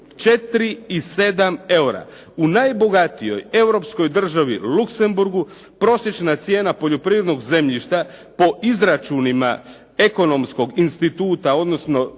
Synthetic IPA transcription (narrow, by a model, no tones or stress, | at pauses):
t͡ʃe̞t̪ɾiːse̞d̪ame̞wɾa̰ | unajbo̞ɡat̪ijo̞̰je̞wɾo̞psko̞jd̪r̩ʒaʋḭlukse̞mbuɾɡu | pɾo̞sje̞t͡ʃnat̪sje̞ːnapo̞ʎo̞pɾiːʋɾed̪no̞ɡze̞mʎiʃt̪a | po̞ʔizɾat͡ʃunima̰ | e̞ko̞no̞msko̞ɡinst̪it̪uːt̪ao̞d̪no̞sno̞